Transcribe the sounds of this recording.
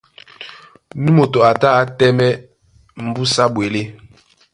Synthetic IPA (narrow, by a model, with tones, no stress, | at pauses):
nu˦mo˨to˨a˨ta˦a˦tɛ˦mɛ˦ | m̩˨bu˦sa˦bwe˨le˦